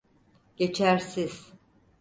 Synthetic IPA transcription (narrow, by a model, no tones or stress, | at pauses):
ɟ̥e̞t͡ʃʰæɾsiz̥